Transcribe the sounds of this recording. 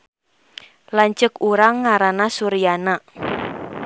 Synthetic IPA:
laɲt͡ʃəkuɾaŋːaɾanasuɾijana

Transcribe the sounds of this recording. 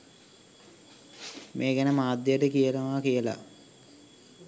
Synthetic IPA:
mʔeːɡænəmaːd̪jəʈəkijənəʋaːkijəla̰

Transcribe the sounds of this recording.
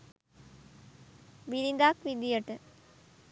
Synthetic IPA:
ʋiɾind̪aːkʋid̪ijəʈə

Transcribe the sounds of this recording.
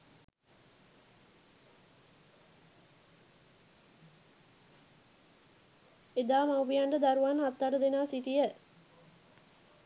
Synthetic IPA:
ed̪aːmawʋijaɳɖəd̪aɾuʋanat̪ːaʈəd̪enaːsit̪ijə

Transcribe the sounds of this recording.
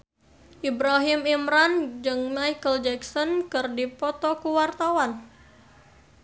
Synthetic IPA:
ʔibɾaɦɪmimɾand͡ʒɨŋnajkəld͡ʒɛksɔnkɨrdipɔt̪ɔkuwart̪awan

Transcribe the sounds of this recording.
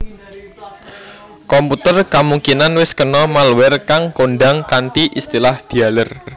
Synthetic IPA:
kɔmput̪ərkamuŋkinanwɪskənɔmalwɛrkaŋkoɳɖaŋkant̪iʔist̪ilahd̪̥i̤alər

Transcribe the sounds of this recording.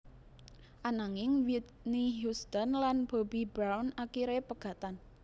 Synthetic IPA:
ʔanaŋɪŋwit̪̚niɦust̪ɔnlanb̥obibɾawnakiɾepəɡ̥a̤t̪an

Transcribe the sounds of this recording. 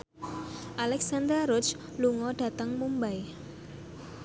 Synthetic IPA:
ʔalɛksand̪aɾʊt͡ʃ | luŋɔɖ̥a̤t̪əŋmumbaj

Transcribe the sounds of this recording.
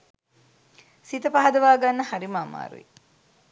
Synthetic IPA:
sit̪ɐpaɦɐd̪ɐʋaːɡanːɐhaɾimaːma̰ːɾṵḭ

